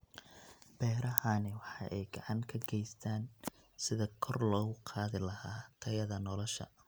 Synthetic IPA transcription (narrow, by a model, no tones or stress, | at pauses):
b̥ɛːɾɐɦanɪwɑħɑ̰ʔɛjɡɑʕɑŋkʰɐɡɛjst̪ʰaːn | sɪðɐkʰɔrlɔːɣʊqʰɑːðɪlɐhaːt̪ʰɐjɐðɐnɔlɔʃɐ̰